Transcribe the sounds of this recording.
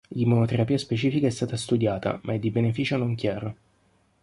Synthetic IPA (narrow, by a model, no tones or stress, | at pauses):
limonot̪eɾapiːaspet͡ʃiːfikaɛst̪aːt̪ast̪ud̪jaːt̪a̰mʔaɛd̪ːibenefiːt͡ʃonoŋkjaːɾo